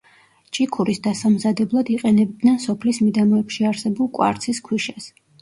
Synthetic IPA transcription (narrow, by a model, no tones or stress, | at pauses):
t͡ʃʼikʰuɾisd̪asamzad̪ɛblˠad̪iqʼɛnɛb̚d̪nɛnsɔpʰlismid̪amɔɛpʃiaɾsɛbulˠkʼwa̰ɾt̪sʰiskʰwiʃas